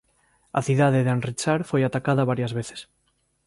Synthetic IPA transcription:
a̰θiðað̞eðanrit͡ʃaɾfojat̪akaðaβaɾjazβeθe̥s

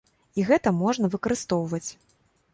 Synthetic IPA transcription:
iɣɛt̪ɐmɔʐnɐvɨkɐɾɨst̪ɔwvɐt͡sʲ

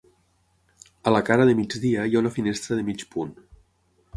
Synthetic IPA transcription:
ələkaɾəðəmid͡ʒðiəjaunəfinest̪ɾəðəmit͡ʃpun

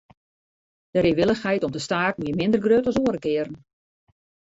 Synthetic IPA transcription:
d̥əɾeːʋɪlˠəxhɛjtɔmdəstaːtmiəmɪndərɡrøtɔsoəɾəkɪəɾən

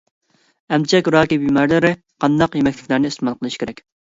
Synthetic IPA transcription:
ɛmt͡ʃʰɛkʲɾɑːkʲibimɛɾlɪɾɪ | qʰɑnd̪ɑqjemɛkʲlɪkʲlæɾnɪist̪ɨmɑlˠqʰəlˠɨʃkʲʰeɾɛkʲ

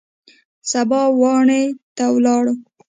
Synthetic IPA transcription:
sabɑwɑɳet̪awlɑɽo

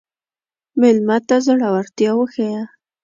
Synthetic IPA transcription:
mɪlmat̪azaɽawaɾt̪jɑwəxaja

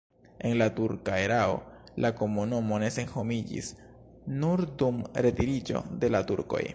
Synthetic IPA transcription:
e̞nlatuɾkaeɾao̞̰lako̞munumo̞ne̞se̞nho̞mid͡ʒḭs | nuɾdumɾe̞tiɾid͡ʒo̞̰de̞latuɾko̞̰j

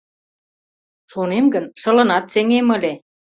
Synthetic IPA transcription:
ʃonemɡə̆nʃɤ̆lɤ̆nɑt̪̚seŋemə̆lʲe

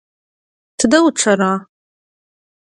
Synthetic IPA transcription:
tʰɨdɐwʈ͡ʂʷʰɐɾaː

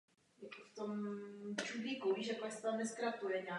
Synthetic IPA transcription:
jakoft̪omt͡ʃudliːkoviʒakoasɛ̥t̪amnɛskɾat̪ujɛɲaː

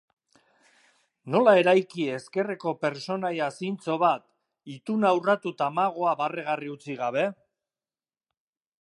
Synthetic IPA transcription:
no̞lae̞ɾajkie̞ske̞re̞ko̞pe̞ɾt͡so̞najasint͡so̞βat̪ | it̪unaːwrat̪ut̪aːmaɣ̞o̞aβareɣ̞ariut͡siɣaβ̞e̞

